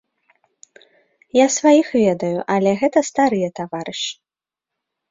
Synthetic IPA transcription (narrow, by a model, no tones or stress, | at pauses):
jasvajixvʲɛd̪ɐjuʔɐlʲɛɣɛt̪ɐst̪aɾɨjɛt̪avaɾɨʂi